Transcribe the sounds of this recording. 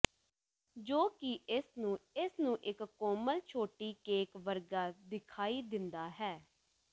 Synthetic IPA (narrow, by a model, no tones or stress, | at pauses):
d͡ʒoːkɪʔɪsnũːɪsnũːʔɪkːɔːməlt͡ʃʰoːʈiːkeːkʋəɾɡaːd̪ɪkʰaːiːd̪ɪnd̪aːɦɛː